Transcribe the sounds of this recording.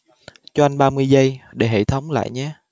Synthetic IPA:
t͡ɕɔ˧ʔa˧jŋɓaː˧mɨ˧əjzə˧jɗe˧˩ɦḛ˧˨t̪ʰə˨˦wŋ͡mla̰ː˧˨jɲɛ˨˦

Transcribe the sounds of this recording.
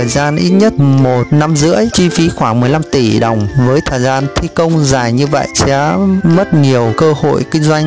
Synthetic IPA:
əː˨˩jzaː˧nʔi˦˥t̚ɲə˦˥t̚mo˨˩t̚na˧mzɨ̰˧˥əjt͡ɕi˧fi˨˦xwaː˧˩ŋmɨ˨˩əjla˧mt̪i˧˩ɗə˨˩wŋ͡mvəː˨˦jt̪ʰəː˨˩jzaː˧nt̪ʰi˧kə˧wŋ͡mzaː˨˩jɲɨ˧və̰˧˨jt͡ɕaː˨˦mə˦˥t̚ɲi˨˩əwkəː˧ho̰˧˨jkï˧ŋ̟zwa˧jŋ

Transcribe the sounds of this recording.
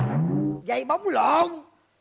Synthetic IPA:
za˧˩jɓa˨˦wŋ͡mlɔ˨˩n

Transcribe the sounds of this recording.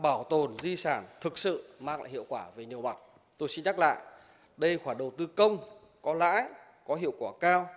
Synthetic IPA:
ɓaː˧˩wt̪o˨˩nzi˧saː˧˩nt̪ʰɨ˨˩k̚sɨ̰˧˨maː˧ŋla̰ː˧˨jhḭ˧˨əwkwaː˧˩ve˨˩ni˨˩əwma˨˩k͡p̚ | t̪o˧jsi˧nɲa˦˥k̚la̰ː˧˨jʔ | ɗə˧jxwaː˧˩ɗə˨˩wt̪ɨ˧kə˧wŋ͡m | kɔ˨˦la̰ː˧˥j | kɔ˨˦ɦḭ˧˨əwkwaː˧˩kaː˧w

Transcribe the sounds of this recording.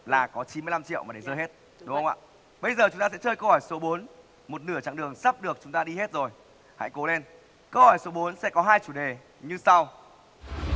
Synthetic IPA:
laː˨˩kɔ˨˦t͡ɕi˨˦nmɨ˧jla˧mt͡ɕḭ˧˨əwmaː˨˩ɗe˧˩zəː˧jɦe˦˥t̚ | ɗʊ˨˦ə˧wŋ͡ma̰ː˧˨ | ɓə˧jzəː˨˩t͡ɕʊ˨˦ŋ͡mt̪aː˧sɛ̰˧˥t͡ɕəː˧jkə˧whɔː˧˩jso˨˦ɓo˨˦n | mo˨˩t̚nɨ˧˩ət͡ɕa̰ː˧˨ŋɗɨ˨˩əŋsaː˦˥p̚ɗɨ˨˩ək̚t͡ɕʊ˨˦ŋ͡mt̪aː˧ɗi˧he˦˥t̚zo˨˩j | ha̰˧˥jko˨˦le˧n | kə˧whɔ˧˩jso˨˦ɓo˨˦nsɛ̰˧˥kɔ˨˦ɦaː˧jt͡ɕu˧˩ɗe˨˩ | ɲɨ˧sa˧w

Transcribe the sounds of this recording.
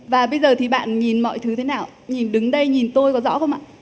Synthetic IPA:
vaː˨˩ɓə˧jzəː˨˩t̪ʰi˨˩ɓa̰ː˧˨nɲi˨˩nmɔ̰˧˨jt̪ʰɨ˨˦t̪ʰe˨˦naː˨˩w | ɲi˨˩nɗɨ˨˦ŋɗə˧jɲi˨˩nt̪o˧jkɔ˨˦zɔ̰˧˥xə˧wŋ͡mʔa̰ː˧˨

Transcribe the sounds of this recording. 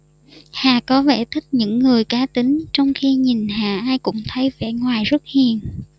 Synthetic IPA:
haː˨˩kɔ˨˦vḛ˧˩t̪ʰï˦˥k̚ɲɨ̰˧˥ŋːɨ˨˩əjkaː˨˦t̪ï˨˦ŋ̟t͡ɕɔ˧wŋ͡mxi˧ɲi˨˩nɦaː˨˩ʔaː˧jkʊ̰˧˥ŋ͡mt̪ʰə˨˦jvɛ̰˧˩ŋwaː˨˩jzə˦˥t̚hḭ˧˨ən

